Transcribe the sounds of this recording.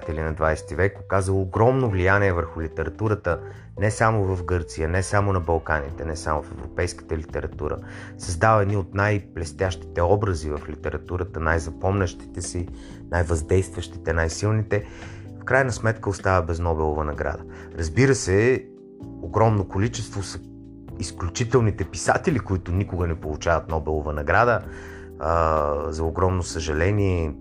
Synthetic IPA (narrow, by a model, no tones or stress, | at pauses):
t̪ɛlinɐd̪vajsɛ̥t̪ivɛkpokazəlˠoːɡɾɔmnovlijaniɛvəɾxʊlʲit̪ɛɾɐt̪uɾət̪ə | nɛsamovɐfɡɤɾt̪sijənɛsamonɐbɐlˠkanḭt̪ɛnɛsamofɛvɾo̰ʊpɛjskə̥t̪əlit̪ɛɾɐt̪uɾə̰ | sɐzd̪avəɛd̪niot̪najplɛst̪ʲjaʃt̪i̥t̪ɛɔbɾəzivɐflit̪ɛɾɐt̪uɾət̪ənajzɐpɔmnəʃt̪i̥t̪ɛsi | najvɐzd̪ɛjst̪vəʃt̪i̥t̪ɛnajsilˠnit̪ɛ | fkɾajnɐsmɛt̪kəost̪avəbɛznɔbɛlˠovɐnɐɡɾa̰d̪ə | ɾɐzbiɾəsɛ | oɡɾɔmnokolit͡ʃɛst̪vosə | isklʲut͡ʃit̪ɛlˠnit̪ɛpisat̪ɛlikoit̪ʊnikʊɡənɛpolˠut͡ʃavət̪̚nɔbɛlˠovɐnɐɡɾad̪ə | əzɐoɡɾɔmnosəʒɐlɛniɛ